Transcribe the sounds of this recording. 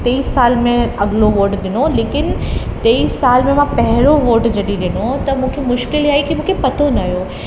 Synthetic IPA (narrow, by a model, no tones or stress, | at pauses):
t̪eːissaːlmẽɐɠloʋoːʈɗɪnoleːkɪnt̪eːissaːlmẽmãpɐɦɪɾoʋoːʈd͡ʑɐɗiɗɪnot̪ɐmũːkʰemʊʃkɪliaːikimũːkʰepɐt̪ʰonɐɦjoː